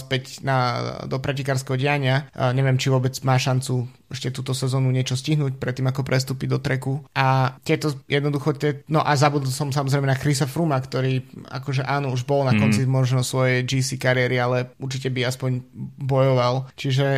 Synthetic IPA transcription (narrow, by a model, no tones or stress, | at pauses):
spɛcnad̪ɔpɾʔɛcikaːɾskɛɦɔɟɛaɲɪaɲɛʋɪɛmt͡ʃiʋɔbɛd͡zmaːʃant͡su | ɛʃcɛt̪uːt̪ɔsɛzɔːnuɲɪɛt͡ʃɔsciɦnuːc̚pɾɛt̪ːiːmakɔpɾɛst̪uːpid̪ɔt̪ɾɛkuʔat̪ɪɛt̪ɔjʔɛd̪nɔd̪uxɔt̪ɪɛnɔʔazabud̪l̩ˠsɔmsamɔzɾɛjmɛnakɾisafɾumakt̪ɔɾiːa̰kɔʒɛʔaːnɔuʒbɔlnakɔnt͡simɔʒnɔsʋɔjɛjd͡ʒisikaɾɪɛɾialɛuɾt͡ʃicɛbiaspɔɲbɔjɔʋalt͡ʃiʒɛ